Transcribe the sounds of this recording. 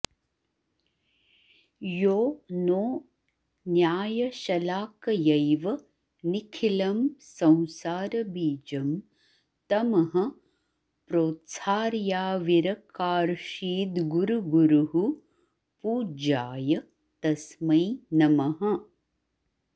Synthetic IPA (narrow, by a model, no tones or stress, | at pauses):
joːnoː | njaːjɐʃɐlaːkɐjɐjʋɐ | nikʰilɐmsɐ̃w̃saːɾɐbiːd͡ʒɐm | t̪ɐmɐɦɐ̆ | pɾoːt̪saːɾjaːʋiɾɐkaːɾʃiːd̪ɡuɾuɡuɾuɦu | puːd͡ʒaːjɐ | t̪ɐsmɐjnɐmɐɦɐ̆